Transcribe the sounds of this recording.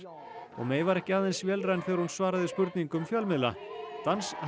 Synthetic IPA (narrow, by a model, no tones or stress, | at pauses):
ɔ̰ɣmeːjvaɾɛhcɪaːðɛnsvjɛːlrajnθɛɣɾ̥hunsvaːɾaðɪspʏɾt̪niŋkʏmfjœlmɪðla̰t̪ans